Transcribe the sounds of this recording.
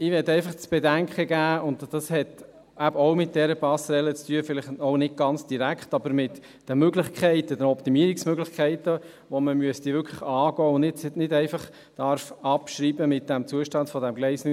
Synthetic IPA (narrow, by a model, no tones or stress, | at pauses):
ɪʋɛtɛɪfɑχt͡sb̥ɛdæŋkχəɡæːʊndd̥ɑshɛt | æbɔʊmɪt̚d̥ɛɾəpɑsɾɛlət͡styəfɪlɪχɔʊnɪt̚ɡ̥ɑnt͡sd̥iɾækχtɑbəɾmɪt | d̥əmøɡlɪχkʰɛɪtəd̥ənɔpt̪imiəɾiksmøɡlɪχkʰɛɪtə | ʋoməmyəst̪iʋʏkʰləχɑːɡɔːʊnnɪtnɪdɛɪfɑχ | d̥ɑɾfɑpʃɾiːbəmɪt̚d̥æmt͡suəʃtɑnd̥fɔdæmɡlɛɪsny